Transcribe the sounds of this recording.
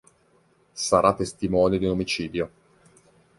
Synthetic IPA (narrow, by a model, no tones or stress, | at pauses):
saɾʔat̪ːest̪imɔːnid̪iunomit͡ʃiːd̪jo